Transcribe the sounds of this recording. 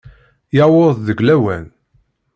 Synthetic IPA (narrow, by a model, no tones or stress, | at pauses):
jawoððəɡlæwæ̰n